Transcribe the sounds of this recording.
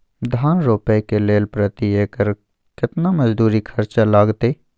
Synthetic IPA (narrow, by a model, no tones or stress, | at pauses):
d̪ʱaːnɾoːpəjkeleːlpɾət̪ieːkəɾ | kɪt̪namɐd͡ʒd̪uːɾikʰɐɾt͡ʃalaːɡt̪eː